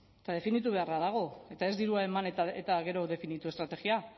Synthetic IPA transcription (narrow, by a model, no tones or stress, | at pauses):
et̪að̞e̞finit̪uβe̞araðaɣ̞o̞e̞t̪ae̞zd̪iɾuae̞manet̪aet̪aɣe̞ɾo̞ðe̞finit̪ue̞st̪ɾat̪e̞ɣia